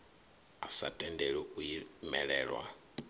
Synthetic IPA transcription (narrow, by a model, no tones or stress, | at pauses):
asa̰tʼɛndɛɺɛʔujimɛɺɛːɺwa̰